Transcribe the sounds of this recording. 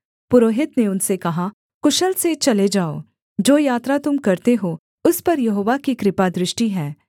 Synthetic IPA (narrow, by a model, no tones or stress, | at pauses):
pʊɾoːɦɪt̪neʊnsekɐɦa | kʊʃəlset͡ʃɐled͡ʒaːo̰ː | d͡ʒoːjaːt̪ɾat̪ʊmkɐɾt̪eɦoː | ʊspɐɾjɐɦoːʋakikɾɪpad̪ɾɪʃʈiɦɛː